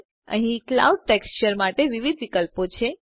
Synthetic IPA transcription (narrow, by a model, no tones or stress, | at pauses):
ə̰ɦĩkla̰uɖ̚ʈekst͡ʃəɾmaʈeʋiʋid̪ʋikəlpot͡ʃʰe